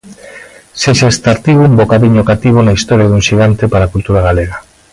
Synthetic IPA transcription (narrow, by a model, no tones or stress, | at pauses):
seʃaest̪aɾt̪iβuumbokaβiɲokat̪iβ̞onaist̪ɔɾjaðuŋʃiɣ̞ant̪epaɾakult̪uɾaɣaleɣ̞a